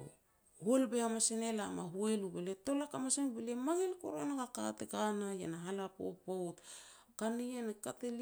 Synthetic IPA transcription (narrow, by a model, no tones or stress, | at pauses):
helbeamasenelama̰ɦuelubeleto̞lakamasenbelemaŋelko̰ɾonaɡaka̰tekanaja̰naɦalapo̰pot | kanijanekatel